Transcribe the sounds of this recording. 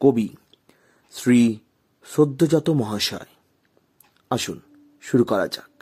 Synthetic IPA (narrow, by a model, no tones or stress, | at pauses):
kobi | sɾi | ʃod̪ʱːod͡ʑɔt̪omɔɦaʃɔ̰e | aʃun | ʃuɾukɔɾa̰t͡ɕak̚